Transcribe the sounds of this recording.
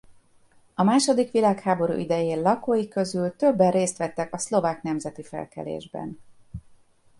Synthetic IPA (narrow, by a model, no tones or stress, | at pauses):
ɒmaːʃo̞d̪ikʋilaːkhaːbo̞ɾṵːʔid̪ɛjeːlɒkoːjikøzylt̪ø̞bːɛreːst̪ʋɛt̪ːɛkɒslo̞vaːkn̪ɛmzɛt̪ifɛ̰lkɛ̰lḛːʒbɛ̰n